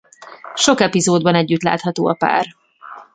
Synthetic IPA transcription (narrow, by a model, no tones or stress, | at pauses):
ʃo̞kɛpizoːd̪bɒnɛɟːyt̪la̰ːt̪hɒt̪o̰ːɒpa̰ːr